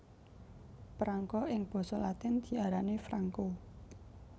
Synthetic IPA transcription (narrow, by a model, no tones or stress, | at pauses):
pɾaŋkɔʔɪŋb̥ɔ̤sɔlat̪ɪnd̪̥i̤aɾanefɾaŋko